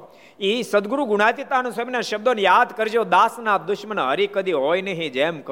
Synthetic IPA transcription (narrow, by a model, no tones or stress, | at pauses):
isəd̪ɡɾuɡʊɽ̃at̪it̪anũsəminaʃəb̚d̪onejaːd̪kəɾd͡ʒoːd̪aːsnaːp̚d̪ʊʃmənɦəɾikəd̪ʱiɦoːjneɦĩd͡ʒeːmk